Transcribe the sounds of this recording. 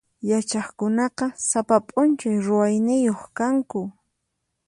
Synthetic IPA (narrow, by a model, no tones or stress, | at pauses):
jat͡ʃɑχkʊnɑqɑsapapʼʊnt͡ʃajɾʊwajnɪjoχkaŋkʊ